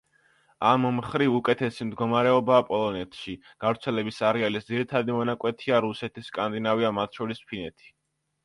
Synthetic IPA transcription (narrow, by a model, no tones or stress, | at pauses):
ammχɾivukʼɛt̪ʰɛsimd̪ɡɔmaɾɛɔbaːpʼɔlˠɔnɛt̪ʰʃi | ɡ̥avɾt̪sʰɛlɛbisaɾɛalisd̪ziɾit̪ʰad̪imɔnakʼwɛt̪ʰiaɾusɛt̪ʰisːkʼand̪inaviamat̪ʰʃɔɾispʰinɛt̪ʰi̥